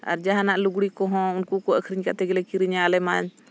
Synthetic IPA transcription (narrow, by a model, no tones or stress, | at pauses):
a̰ɾd͡ʒaɦanaʔluɡɽikɔɦɔ̃unkukɔəkʰɾiɲkat̪ɛɡɛlɛkiɾiɲalɛmaɲ